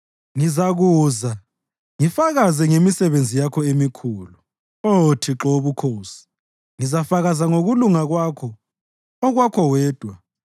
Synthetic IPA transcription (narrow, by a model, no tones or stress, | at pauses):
ŋizaɣuːza | ŋifaɣazɛŋemisɛβend͡zʱijakʰɔemikʰuːlu | otʰiǁoβukʰoːsi̥ | ŋizafaɣazaŋoɣuluŋaɣwakʰɔ | ɔɣwakʰɔwɛːd̥ʱwa